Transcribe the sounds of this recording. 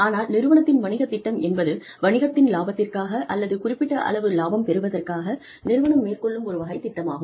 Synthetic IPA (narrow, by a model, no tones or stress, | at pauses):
aːnaːlnɪɾɯʋɐɳɐt̪ːɪnʋɐɳɪɣɐt̪ːɪʈːɐmɛnbɐðɯ | ʋɐɳɪɣɐt̪ːɪnlaːbɐt̪ːɪrkaːɣɐʔɐlːɐðɯkʊrɪpːɪʈːɐʔɐ̰ɭɐʋɯlaːbɐmpɛɾɯʋɐðɐrkaːɣɐ | nɪɾɯʋɐɳɐmːeːrkɔɭːɯmɔɾɯʋɐɣɐɪt̪ːɪʈːɐma̰ːɣɯm